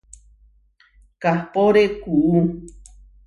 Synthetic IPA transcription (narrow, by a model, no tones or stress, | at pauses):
kahpoɾekuʔu